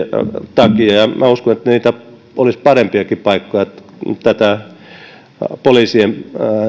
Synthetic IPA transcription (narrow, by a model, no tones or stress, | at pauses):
t̪ɑkiɑjɑmæuskonet̪ːæniːt̪æ | olispɑrempiɑkipɑikːojɑt̪ | t̪æt̪æ | poliːˑsiem